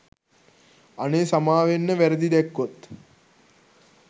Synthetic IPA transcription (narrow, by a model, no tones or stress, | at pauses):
aneːsamaːʋenːəʋæɾəd̪id̪ɛkːot̪